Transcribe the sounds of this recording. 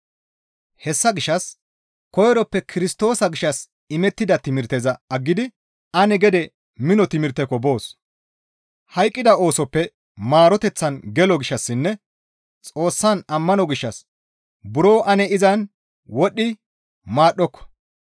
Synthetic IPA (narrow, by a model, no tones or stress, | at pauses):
hɛsːɐɡɪʃːɐs | kɔjɾɔpːɛkʰɪɾɪst̪o̞ːsɐɡɪʃːɐs | ɪmɛt̪ːɪd̪ɐt̪ɪmɪɾt̪ezɐɐɡːɪd̪ɪ | ɐnɛɡɛd̪ɛ | mɪnɔt̪ɪmɪɾt̪ɛkɔbo̞ːs | hɐjkʼːɪd̪ɐo̞ːsɔpːɛ | maːɾɔt̪ɛt͡sːɐnɡɛlɔɡɪʃːɐsːɪnːɛ | t͡sʼo̞ːsːanɐmːɐnɔɡɪʃːɐs | bʊɾoːʔɐnɛɪzɐn | wɔɗːɪ | maːɗːɔkːɔ̥